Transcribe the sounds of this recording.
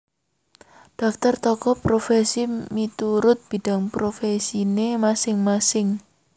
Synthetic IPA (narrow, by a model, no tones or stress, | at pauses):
ɖ̥ɔ̤f̚t̪ɔrt̪ɔkɔpɾofesimit̪uɾʊt̪̚b̥i̤ɖ̥a̤ŋpɾofesinemasɪŋmasɪŋ